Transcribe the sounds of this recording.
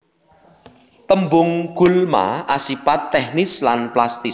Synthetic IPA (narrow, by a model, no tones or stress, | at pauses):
t̪əmbʊŋɡ̥ṳlma̰ʔasipat̪ːɛhnɪslanplast̪ɪ